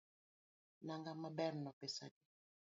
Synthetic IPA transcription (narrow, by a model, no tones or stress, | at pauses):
naŋɡamabɛɾnɔpesa̰di